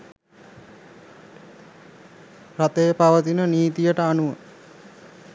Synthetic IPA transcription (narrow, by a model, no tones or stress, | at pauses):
rat̪ejəpaʋət̪inəniːt̪ijəʈəanuʋə